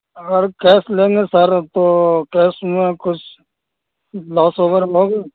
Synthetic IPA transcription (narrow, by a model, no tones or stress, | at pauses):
əɡəɾkɛːsleːŋɡeːsəɾt̪oːkɛːsmẽkʊt͡ʃʰ | lɔːsoːʋəɾɦoːɡeː